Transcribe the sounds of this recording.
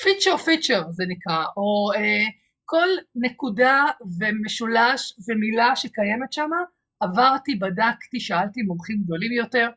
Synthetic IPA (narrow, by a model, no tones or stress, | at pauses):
fit͡ʃeʁfit͡ʃeʁzenikʁaʔoe | ko̞lne̞kudave̞meʃulaʃvemilaʃekaje̞metʃamaː | vaʁtibadakt̪iʃaaltimomχimɡ̚do̞limjo̞te̞ʁ